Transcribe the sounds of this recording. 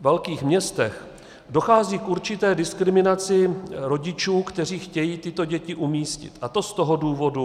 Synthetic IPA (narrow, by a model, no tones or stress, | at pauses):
vɛlkiːxmɲɛst̪ɛx | do̞xaːziːkʔuɾt͡ʃɪt̪ɛːdɪskɾɪmɪnat͡sɪɾo̞ɟɪt͡ʃuːkt̪ɛr̝iːxcɛjiːt̪ɪt̪o̞ɟɛcɪʔumiːscɪ̰t̪ʔat̪o̞st̪oɦo̞duːvo̞du